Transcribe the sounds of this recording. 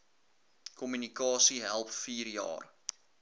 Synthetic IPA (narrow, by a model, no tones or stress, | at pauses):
kɔmynikɑːsiɦælˠpfiːrjɑ̰ːr